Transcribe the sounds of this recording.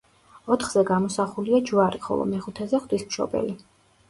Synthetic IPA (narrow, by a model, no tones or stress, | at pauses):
ɔt̪ʰχz̥ɛɡamɔsaχuliad͡ʒuwaɾiχɔ̰lˠɔ̰mɛχut̪ʰɛzɛχd̪̥ismʃɔ̰bɛ̰li